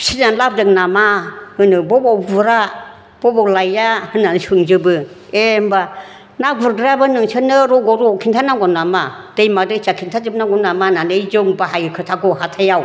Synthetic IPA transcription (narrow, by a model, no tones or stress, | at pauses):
sizamlab̚dɯknamahɯnɯbɔbɔvuɾa | b̥ɔbɔlajahɯnːanɯsuŋd͡ʒɯbɯ | emba | navuɾɡɾabɯnɯŋsʰɯnɯɾɔɡɔɾɔkʰintʰanaɡɔnːamad̥ejmadɯit͡ʃakʰintʰad͡ʒɯb̚naŋɡɔnːamananɯjd͡ʒɯŋbaɦajɯkʰɯtʰaɡɔɦatʰajaw